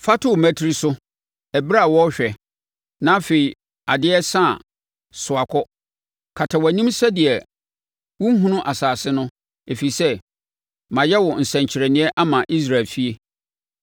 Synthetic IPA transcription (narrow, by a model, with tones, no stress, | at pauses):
fa˦tʰʊ˨mæ̃˦tʰi˦ɾi˦sʊ˦ | ɛ˨bɾa˦˨wɔ˦ɕᶣɛ˨ | nã˦fe˨i˨ | a˨dɪ˦ɛ˦sã˦˨ | sʊ˨a˨kʰɔ˦ | kʰa˨tʰa˨wæ˨nĩ˦msɛ˦dɪ˨ɛ˨ | wʊ̃˦ŋ˦ɦũ˦nʊ̃˦ʔa˨saː˨sɪ˦nʊ̃˦ | e˨fi˨i˨sɛ˦ | mã˨jɛ˦wɔ˨n̩˨sɛ̃˨ɲ˨t͡ɕʰɪ˨ɾɛ˨nɪ̃˨˦ɛ˦ʔa˦mã˨ʔi˦s̬ɾa˨lfi˦e˦